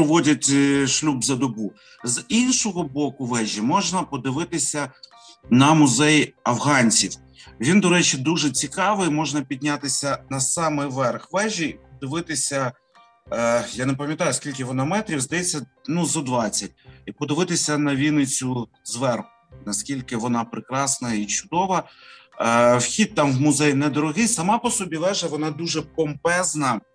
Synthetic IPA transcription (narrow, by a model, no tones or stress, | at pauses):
ɔʋɔdʲɐtʲʃlʲubzɐd̪ɔbu | zinʃɔɦɔbɔkʊʋɛʒʲimɔʒnɐpɔd̪ɪʋɪt̪ɪsʲɐ | nɐmʊzɛjɐʋɦɑnʲt͡sʲiw | ʋʲind̪ɔɾɛt͡ʃid̪uʒɛt͡sʲikɑʋɪmɔʒnɐpʲid̪ʲnʲat̪ɪsʲɐnɐsɑmɪjʋɛrxʋɛʒʲiːpɔd̪ɪʋɪt̪ɪsʲɐ | janɛp̬ɐmʲjɐt̪ɑjʊskʲilʲkɪʋɔnɐmɛt̪ɾʲiwzd̪ɐjɛt͡sʲːɐnuzɐd̪ʋɑt͡sʲːɐt̚ʲipɔd̪ɪʋɪt̪ɪsʲɐnɐʋʲinɪt͡sʲʊ | zʋɛrxʊnɐskʲilʲkɪʋɔnɑpɾɪkɾɑsnɐit͡ʃʊd̪ɔʋɐ | wxʲit̪̚t̪ɑmʋwmʊzɛjnɛd̪ɔɾɔɦɪjsɐmɑpɔsɔbʲiʋɛʒɐʋɔnɑd̪uʒɛpɔmpɛznɐ